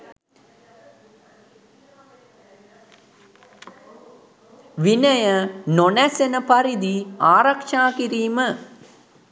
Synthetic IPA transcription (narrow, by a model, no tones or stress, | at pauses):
ʋinəjənonɛsenəpaɾid̪iaːɾakʃaːkiɾiːmə